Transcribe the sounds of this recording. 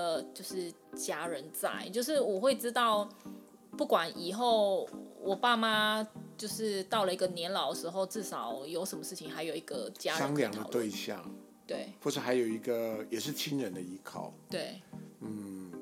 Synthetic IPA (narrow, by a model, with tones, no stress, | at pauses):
ə˨t͡ɕjo˥˧ʊʂɻ̩˥˩ | t͡ɕja˥ɻə˧˦nt͡sa̰˥˩ɪt͡ɕjo˥˧ʊʂ̬ɻ̩˥˩wɔ˨˩xwe˥˩ɪʈ͡ʂɻ̩˥t̪ɑ˥˩ʊ | pu˥˩kwa˨˩ni˨˩xo˥˩ʊwɔ˨˩pa˥˩ma˥t͡ɕjo˥˧ʊʂɻ̩˥˧t̪ɑ˥˩ʊlə˩i˧˥ɡə˨njɛ˧˦˥nlɑ˨˩˦ʊd̪ə˨ʂɻ̩˧˦xo˥˧ʊʈ͡ʂɻ̩˥˩ʂɑ˨˩ʊjo˧˥ʊʂə˨nmə˦ʂɻ̩˥˩t͡ɕʰi˨ŋxa˧˥ɪjo˨˩ʊi˧˥ɡə̰˨t͡ɕja˥ɻɑ˧˦ŋljɑ̰˨˩ŋd̪ə˧˨˦t̪we˥˧ɪɕjɑ̰˥˩ŋ | t̪we˥˩ɪxwɔ˥˩ʂ̩˥˩xa˧˥ɪjo˨˩ʊi˧˥ɡə˨jɛ˨˩ʂɻ̩˥˩t͡ɕʰi˥nɻə˧˦˥nd̪ə˧i˧˥kʰɑ̰˨˩˦ʊt̪we˥˩ɪn̩˥˩